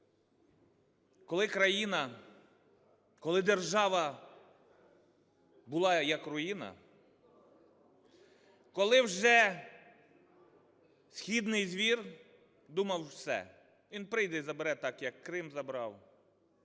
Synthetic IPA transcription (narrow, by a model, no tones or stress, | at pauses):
kɔlˠɪkɾɐjinɐ | kɔlˠɪd̪erʒɑʋɐ | bʊlˠɑjɐkrʊjinɐ̰ | kɔlˠɪwʒɛ | sʲxʲid̪nɪjzʲʋʲir | d̪umɐwsɛ̰ | ʋʲinpɾɪjd̪ɛizɐbeɾɛt̪ɑkjɐkːɾɪmzɐbɾɑw